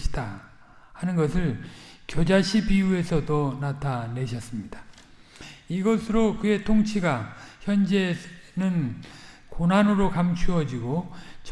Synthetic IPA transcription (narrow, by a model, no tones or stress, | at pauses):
i̥da | hanɯnɡʌsʰɯɭkjod͡ʑaɕʰibiue̞sʰʌdonatʰane̞ɕʰʌs͈ɯmɲidḁ | iɡʌsʰɯɾokɯe̞tʰoŋt͡ɕʰiɡaçjʌnd͡ʑe̞nɯn | konanɯɾokamt͡ɕʰuʌd͡ʑiɡot͡ɕ